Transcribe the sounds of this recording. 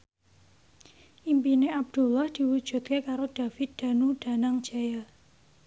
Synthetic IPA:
ʔimpineab̚d̪̥ṳlahd̪̥i̤wud̥ʒ̥ṳt̪̚kekaɾod̪̥a̤fɪt̪̚d̪̥a̤nuɖ̥a̤naŋ̥d͡ʒ̥aja

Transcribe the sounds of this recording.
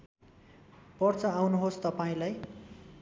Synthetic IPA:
pʌrt͡sʌawnuɦost̪ʌpaĩlaj

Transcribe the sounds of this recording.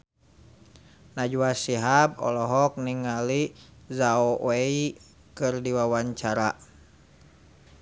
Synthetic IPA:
nad͡ʒuasiɦabɔ̰lɔɦɔk̚niŋalizaɔwei | kɨrdiwawaɲt͡ʃaɾa

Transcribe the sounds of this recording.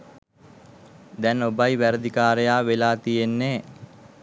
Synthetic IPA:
d̪ɛnobajʋæɾəd̪ikaːɾejaːʋelaːt̪ijenːeː

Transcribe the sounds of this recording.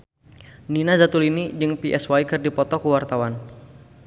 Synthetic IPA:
ninazat̪ulinid͡ʒɨŋpiʔɛswaikɨrdipɔt̪ɔkəwart̪awan

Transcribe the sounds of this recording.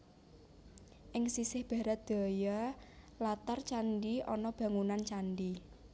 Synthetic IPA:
ʔɪŋsisɪhb̥ä̤ɾat̪̚d̪̥a̤ja | lat̪art͡ʃanɖiʔɔnɔb̥ä̤ŋunant͡ʃanɖi

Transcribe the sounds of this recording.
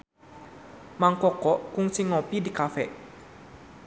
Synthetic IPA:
maŋkɔkɔʔkʊŋsɪŋːɔpidikafɛʔ

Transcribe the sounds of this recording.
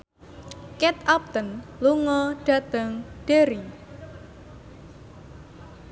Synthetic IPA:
kɛt̪ap̚t̪ənluŋɔɖ̥a̤t̪əŋɖ̥eɾi

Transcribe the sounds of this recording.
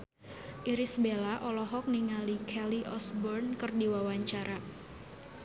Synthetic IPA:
ʔiɾisbelaʔɔlɔɦɔk̚niŋalikʰɛliʔɔsbɔrnkərdiwawaɲt͡ʃaɾa

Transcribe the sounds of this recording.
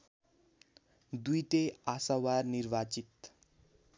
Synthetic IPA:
d̪ujt̪easawarnirbat͡sit̪

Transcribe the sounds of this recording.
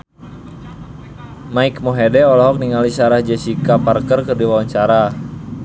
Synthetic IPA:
maikmɔɦɛdɛɔlɔɦɔk̚niŋalisaɾahd͡ʒɛsikaparkərkərdiwawaɲt͡ʃaɾa

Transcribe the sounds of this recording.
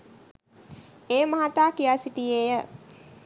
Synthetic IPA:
eːmaɦat̪aːkijaːsiʈiejə

